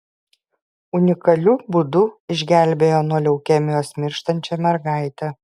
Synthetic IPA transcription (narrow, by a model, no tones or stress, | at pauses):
ʊnʲɪkɐlʲuːbʊd̪ʊɪʒʲɡʲæˑlʲbʲeːjoːnuɔlʲɛʊkʲɛmʲɪjoːsmʲɪɾʃt̪ɐnʲt͡ʃʲɛmʲɛɾɡɑˑɪt̪ʲɛ